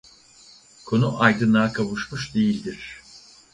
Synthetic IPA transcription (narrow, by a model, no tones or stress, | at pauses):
kʰo̞nuʔajd̪ɯnaːkʰaβɯʃmuʃd̪ejilʲd̪iɾ̥